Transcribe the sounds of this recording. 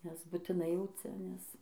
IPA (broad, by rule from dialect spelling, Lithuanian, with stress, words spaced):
nʲɛs bʊtʲɪˈnɐɪ jɛʊ ˈt͡sʲɛ nʲɛs